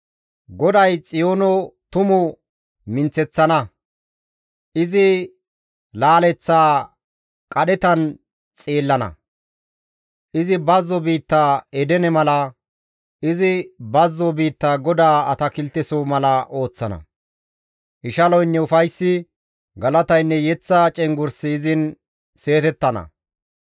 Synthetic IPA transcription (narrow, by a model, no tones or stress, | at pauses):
ɡɔd̪ɐjt͡sʼɪjoːnɔt̪ʊmʊ | mɪnt͡sːɛt͡sːɐnɐ | ʔɪzɪ | laːlɛt͡sːaː | kʼɐɗɛt̪ɐn | t͡sʼeːlːɐnɐ̰ | ʔɪzɪbɐzːɔbiːt̪ːaːɛd̪ɛnɛmɐlɐ | ɪzɪbɐzːɔbiːt̪ːaːɡɔd̪aːɐt̪ɐkɪlt̪ːɛsoːmɐlɐʔo̞ːt͡sːɐnɐ̰ | ʔɪʃɐlɔjnːɛʊfɐjsːɪ | ɡɐlɐt̪ɐjnːɛjɛt͡sːɐt͡ʃʼɛŋɡʊɾsɪːzɪn | se̞ːt̪ɛt̪ːɐnɐ̰